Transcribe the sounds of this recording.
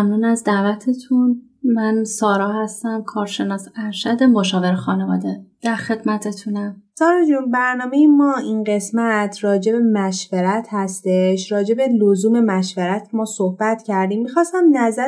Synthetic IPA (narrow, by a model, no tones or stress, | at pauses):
mnuːnæzd̪ævæt̪ʰet̪ʰun | mænsɒːɾɒːhæst̪æmkʰɒːɾʃe̞nɒːsæɾʃæd̪emoʃɒːveɾexɒːnevɒ̰ːd̪ed̪̥æɾxe̞d̪mæt̪ʰet̪ʰunæmsɒːɾɒːd͡ʒuːnbæɾnɒːmejemɒːinɢe̞smæt̪ʰrɒːd͡ʒe̞be̞mæʃveɾæt̪ʰhæst̪e̞ʃɾɒːd͡ʒe̞belozuːme̞mæʃveɾæt̪ʰmɒːsohb̥æt̪cæɾd̪iːmːixɒːst̪æmnæzæ